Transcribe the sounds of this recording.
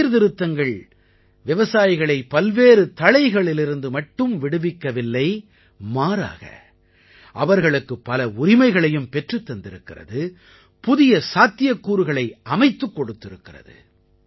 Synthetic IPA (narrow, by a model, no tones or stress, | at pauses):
ɾðɪɾɯt̪ːɐŋɡɐɭ | ʋɪʋɐsaːjɪɣɐɭɐɪpɐlʋeːɾɯt̪ɐɻɐɪɣɐɭɪlɪɾɯnd̪ɯmɐʈːɯmʋɪɽɯʋɪkːɐʋɪlːɐɪ | maːɾa̰ːɣɐ̰ | ʔɐʋɐɾɣɐɭɯkːɯpːɐlɐʊɾɪmɐɪɣɐɭɐjɯmpɛʈrɯt̪ːɐnd̪ɪɾɯkːɪrɐ̰ðɯ | pʊðɪjɐsaːt̪ːɪjɐkːuːɾɯɣɐɭɐɪʔɐmɐɪt̪ːɯkːɔɽɯt̪ːɪɾɯkːɪrɐ̰ðɯ̰